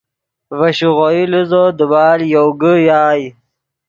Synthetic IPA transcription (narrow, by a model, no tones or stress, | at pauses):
vɐɕuɣojiluzod̪əbaːljowɡəjaːj